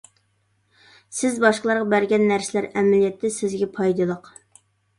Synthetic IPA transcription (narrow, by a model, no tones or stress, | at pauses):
sɪzbɑʃqəlˠɑɾʁɑbæɾɡʲɛnːæɾsɪlæɾɛmælijɛt̪ʰːɪsɪzɡʲɛpʰɑjd̪ɨlˠəq